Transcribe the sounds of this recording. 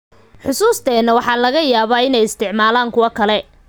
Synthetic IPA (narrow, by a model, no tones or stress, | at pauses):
ħʊsuːst̪ʰɛːnːɐwɑħɑːlɐɣɐjaːβaːɪnɛjɪst̪ʰɪʕmaːlaːŋkʰʊwɐkʰɐlɛ